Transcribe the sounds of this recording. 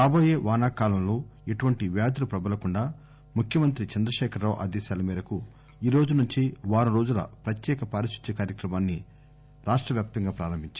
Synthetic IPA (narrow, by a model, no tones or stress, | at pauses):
aːbo̞ːjeːʋaːnaːkaːlɐmlo̞ːeʈuʋɐɳʈiʋjaːd̪ɐlupɾɐbɐlɐkuɳɖaː | mukʰjɐmɐnt̪ɾit͡ʃɐnd̪ɾɐʃɛːkʰɐɾːaːʋʔa̰ːd̪ɛːʃaːlɐmiːɾɐku | iːɾo̞ːd͡ʒunuɲt͡ʃiʋaːɾɐɾo̞ːd͡ʒulɐ̰pɾɐt̪jɛːkɐpaːɾiʃu̥t̪ːɐkaːɾjɐkɾɐmaːnːi | ɾaːʂʈɾɐʋjaːp̚t̪ɐŋɡaːpɾaːɾɐmbʱiɲt͡ʃa